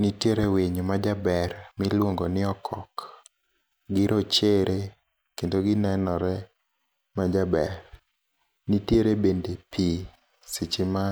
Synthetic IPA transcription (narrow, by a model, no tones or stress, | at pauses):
nitjeɾeweɲomad͡ʒabɛrmɪlwoŋɡonɪɔkʰɔk | ɡɪɾʔɔt͡ʃeɾʔe | kendoɡɪnɛnɔɾɛ | mad͡ʒabɛɾ | nitjeɾebendepʰi | sɪt͡ʃɪma